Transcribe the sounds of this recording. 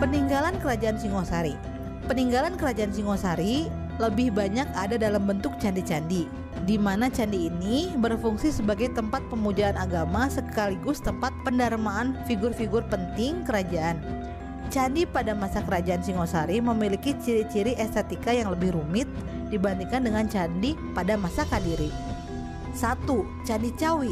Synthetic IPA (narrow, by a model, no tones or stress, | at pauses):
pəniŋɡalankəɾad͡ʒaansiŋosaɾi | pəniŋɡalankəɾad͡ʒaʔansiŋosaɾi | ləbɪhbaɲakadadalambənt̪ʊk̚t͡ʃandit͡ʃandi | dimanat͡ʃandiːnibərfuŋsisəbaɡajt̪əmpat̪̚pəmud͡ʒaːnaɡamasəkaliɡʊst̪əmpat̪̚pəndarmaːnfiɡʊrfiɡʊrpənt̪ɪŋkəɾad͡ʒaʔan | t͡ʃandipadamasakəɾad͡ʒaansiŋosaɾiməmilikit͡ʃiɾit͡ʃiɾiʔɛst̪ɛt̪ikajaŋləbɪhɾumɪt̪̚ | dibant̪iŋkandəŋant͡ʃandipadamasakadiɾi | sat̪u | t͡ʃandit͡ʃawi